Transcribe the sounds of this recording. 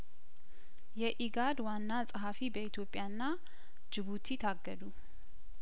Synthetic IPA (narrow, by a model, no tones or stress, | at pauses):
jɛʔiɡad̪wanːasʼəɦafibəit̪ʰjo̞pʼːjanːa | d͡ʒɨβut̪ʰit̪ʰaɡːəd̪u